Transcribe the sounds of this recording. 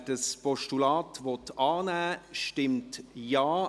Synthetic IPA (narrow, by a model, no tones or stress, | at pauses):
dəspɔʃtulɑːtʋɔtɑːnæːʃtɪmtjaː